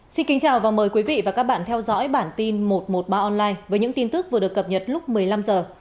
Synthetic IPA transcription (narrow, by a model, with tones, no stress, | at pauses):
si˧nki˨˦ŋ̟t͡ɕaː˨˩wvaː˨˩wməː˨˩jkwi˨˦vḭ˧˨vaː˨˩kaː˦˥k̚ɓa̰ː˧˨nt̪ʰɛ˧wzɔ̰˧˥jɓaː˧˩nt̪i˧nmo˨˩t̚mo˨˩t̚ɓaː˧ʔɔ˧nlaː˧jvəː˨˦jɲɨ̰˧˥ŋt̪i˧nt̪ɨ˦˥k̚vɨ˨˩ɗɨ˨˩əkːə˨˩p̚ɲə˨˩t̚lʊ˦˥k͡p̚mɨ˨˩əjla˧mzəː˨˩